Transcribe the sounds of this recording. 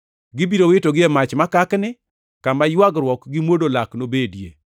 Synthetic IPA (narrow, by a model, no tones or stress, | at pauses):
ɡɪbiɾowɪtoɡɪɛmat͡ʃmakaknɪ | kamajwaɡɾwɔkɡɪmwodolaknobedjḛ